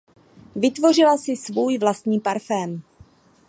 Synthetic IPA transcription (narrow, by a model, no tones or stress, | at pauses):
vɪt̪vo̞r̝ɪlasɪsvuːjvlast̪ɲiːpaɾfɛːm